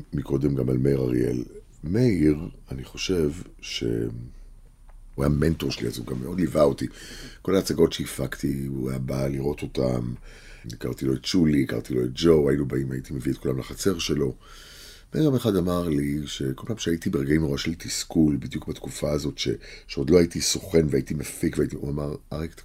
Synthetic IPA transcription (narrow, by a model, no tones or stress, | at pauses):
miko̞d̪emɡamalmeiʁaʁije̞̰l | meiʁaniχo̞ʃe̞v | ʃe̞̰ | uajame̞nto̞ʁʃelḭa̰zuɡamːeo̞dlivaotiko̞laːt͡saɡo̞tʃeifakt̪iuajabaliʁo̞t̪o̞ta̰m | ika̰ʁt̪ilo̞ett͡ʃuliːka̰ʁt̪ilo̞et̚d͡ʒo̞wainubaimajit̪imeviot̚kulamlaχat͡se̞ʁʃe̞lo̞ | meameχadamaʁliʃe̞ko̞lpaːmʃeaitibeʁeɡaimnoaʃeltiskulbid̪jukbatkufaːzo̞tʃe̞̰ʃeo̞dlo̞aitiso̞χe̞nveaitimafikveaitiʔuamaʁaʁekt̪